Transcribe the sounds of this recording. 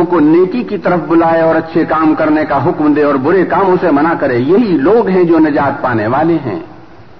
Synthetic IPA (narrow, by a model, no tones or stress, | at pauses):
koneːkikit̪ɐɾəfbʊlaːeɔːɾɐtːʃʰekaːmkɐɾnekaɦʊkmd̪eːɔːɾbʊɾekaːmõsemɐnakɐɾẽːjɐɦiloːɡɦɛ̃d͡ʒoːnɐd͡ʒaːt̪̚paːneʋaːleɦɛ̰̃ː